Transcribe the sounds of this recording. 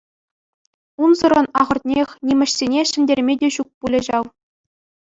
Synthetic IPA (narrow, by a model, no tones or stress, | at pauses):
unzɤ̆ɾɤ̆nɑʁɤ̆rt̪̚ʲnʲexʲnʲimʲɘ̆ɕsʲenʲeʂɘ̆nʲdʲerʲmʲedʲeɕuk̚pulʲɘ̆ʑɑw